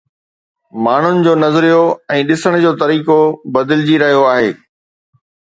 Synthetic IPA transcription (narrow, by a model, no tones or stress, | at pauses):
maːɳ̤ʊnɪ̆d͡ʑoːnɐzɾijoɛ̃ːɗɪsəɽ̃d͡ʑoːt̪ɐɾiːkobɐd̪ɪlɪd͡ʑiɾɐɦijoaːɦeː